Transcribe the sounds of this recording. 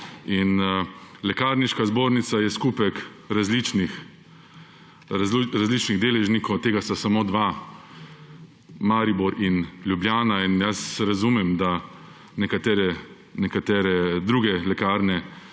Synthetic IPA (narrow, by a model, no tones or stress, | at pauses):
in | lɛkaːɾniʃkazboːɾnit̪sajɛskuːpɛk | ɾazlit͡ʃnix | ɾazlit͡ʃniɣd̪eːlɛʒnikɔwt̪eːɡast̪asamoːd̪ʋa | maːɾibuɾinljubljaːnainjasɾazumɛmd̪a | nɛkat̪ɛːɾɛ | nɛkat̪ɛːɾɛd̪ɾuːɡɛlɛkaːɾnɛ